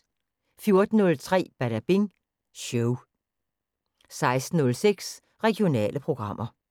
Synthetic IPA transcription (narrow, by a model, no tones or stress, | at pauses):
fjo̝ɐd̥n̩ːɔ̽lt͡sʰʁɛ̰ːb̥æɾæb̥eŋ | ɕoʊ | sɑ̈ɪsd̥n̩nɔ̽lseɡ̥s | ʁɛɡ̥io̝nɛ̰ːlʔəpʰʁo̝ɡ̥ʁɑ̈m̰ʔɐ